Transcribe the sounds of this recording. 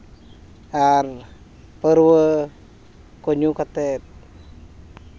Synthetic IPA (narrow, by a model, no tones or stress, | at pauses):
ar | pəɾwə | koɲukat̪et̪̚